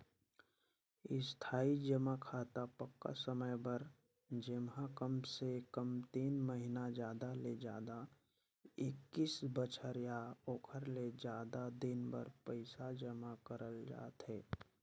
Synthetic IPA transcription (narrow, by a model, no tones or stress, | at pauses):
ɪst̪ʰaːid͡ʒəmakʰaːt̪apəkːa̰səməjbəɾ | d͡ʒɪmɦakəmsekəmt̪iːnməɦinad͡ʒjaːd̪aled͡ʒaːd̪a | ɪkːisbət͡ʃʰəɾjaoːkʰəɾled͡ʒaːd̪ad̪ɪnbə̰ɾpəɪsad͡ʒəmakəɾəld͡ʒa̰ːt̪ɦɛː